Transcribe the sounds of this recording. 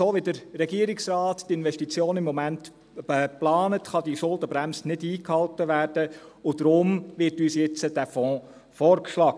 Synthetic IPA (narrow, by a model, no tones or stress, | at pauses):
soːʋidəɾːɛɡiəɾɪksrɑːttɪnʋɛʃtit͡sjoːnɪmːɔmænt | ɛplɑːnətχɑdiʃʊldəbɾæmsnɪdiːkhɑltəʋæːɾd̥əʊd̥ɾʊmʋɪtyːsjɛt͡səd̥æfɔ̃ː | fɔːɾkʃlɑːɡə